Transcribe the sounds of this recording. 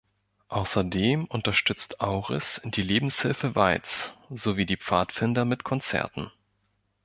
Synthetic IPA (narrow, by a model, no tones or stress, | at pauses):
ʔaʊsɐdeːmʔʊntɐʃtʏt͡stʰʔaʊʁɪ̰sɪd̥iːleːbm̩shɪlfəva̰ɪt͡sz̥oviːdiːp͡faːtfɪndɐmɪtkʰɔnt͡sɛ̰ɐtn̩